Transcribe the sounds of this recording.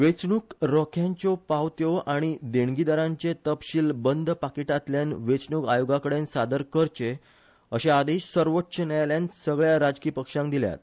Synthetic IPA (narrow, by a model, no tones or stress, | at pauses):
ʋet͡sɳukɾɔkʰjãɲt͡ɕɔpawt̪joaɽ̃id̪eɳɡid̪aɾãɲt͡ɕet̪əpɕiːlbənd̪pakiʈat̪ljanʋet͡sɳukajoɡakəɽensad̪əɾkəɾt͡ɕe | əɕẽad̪eɕsəɾʋətːɕənɛjljansəɡɭjaɾad͡zkiːpəkʂãŋk̚d̪ilja̰t̪̚